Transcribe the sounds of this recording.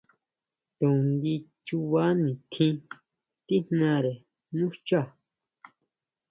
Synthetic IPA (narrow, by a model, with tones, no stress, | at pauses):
t̪ũ˨nd̪i˧t͡ʃu˧βa˦nĩ˨t̪ʰĩ˧ | t̪i˦n̥nã˧ɾe˨ | nũ˦t͡ʃa˦˨